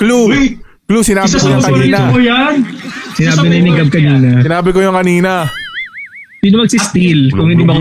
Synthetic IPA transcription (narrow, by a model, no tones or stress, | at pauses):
klu | klusɪnaːbkɐniːnɐojansɪnaːbɪnɐnɪɡɐb̚kɐniːnɐsɪnaːbɪkojʊŋkɐniːnɐ | siːnomɐɡsɪst̪ilkʊŋhɪnd̪ibɐk